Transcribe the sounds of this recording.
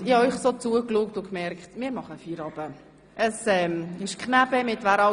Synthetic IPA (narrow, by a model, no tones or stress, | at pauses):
ɪhɑœʏχsot͡suəkluːk̚tʊkmɛɾkχtmɪːɾmɑχəfiːɾɑb̥ə | ʔəsɛːmɪʃkχnæb̥əmɪtvæɾɑ